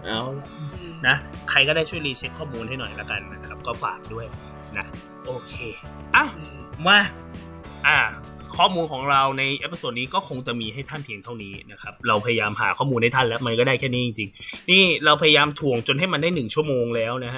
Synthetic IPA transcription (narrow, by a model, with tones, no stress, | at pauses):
ʔa˧˩ | na˦˥kʰa˧jkɔː˥˩da˥˩jt͡ɕʰu˥˩jliː˧t͡ɕʰe˦˥kʰːɔː˥˩muː˧nta˥˩jnɔ˨˩jla˦˥ka˧nːa˦˥kʰa˦˥p̚kɔː˥˩fa̰ː˨˩k̚du˥˩əj | na˦˥ | ʔoː˧kʰeː˧ | ʔaː˧˩w | ma˥˩ | ʔaː˧˩ | kʰɔː˥˩muː˧nkʰɔː˩˦ŋɾa˧wna˧jʔe˦˥pːa˧soː˧nːiː˦˥kɔː˥˩kʰo˧ŋt͡ɕa˨˩ʔmiː˧ɦa˥˩jt̪ʰa˥˩npʰi˧əŋt̪ʰa˥˩wniː˦˥na˦˥kʰa˦˥p̚ɾa˧wpʰa˧ja˧jaː˧mha̰ː˩˦kʰɔː˥˩muː˧na˥˩t̪ʰa˥˩nlɛ˦˥wma˧nkɔː˥˩daː˥˩jkʰɛː˥˩niː˦˥t͡ɕi˧ŋt͡ɕi˧ŋniː˥˩ɾa˧wpʰa˧ja˧jaː˧mt̪ʰu˨˩əŋt͡ɕo˧nɦa˥˩jma˧ndaː˥˩jnɯ˨˩ŋt͡ɕʰu˥˩əmoː˧ŋlɛː˦˥wna˦˥ɦa˦˥ʔ